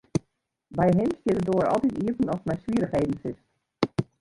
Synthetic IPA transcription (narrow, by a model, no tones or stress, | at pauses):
bɛjɦɪmstjɪtədoəɾɔ̰lˠtitiəvənɔsmɛjsʋiəɾəxhejdən̩sɪs